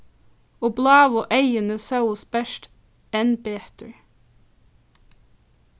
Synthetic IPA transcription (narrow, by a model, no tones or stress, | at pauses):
oːblɑːʋɔʔæɪənəsɑʊʊsbɛʃt | ɛnbeːt̪ʰəɹ